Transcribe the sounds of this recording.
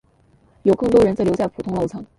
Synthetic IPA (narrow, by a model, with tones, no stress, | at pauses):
jo˨˩ʊkɤ˥˩ŋt̪wɔ˥ɻə˧˥nt͡sə˧˥˩ljʊt͡sa˥˩ɪpʰu˨˩t̪ʰʊ˥ŋlo˥˩ʊt͡sʰɑ˥˩ŋ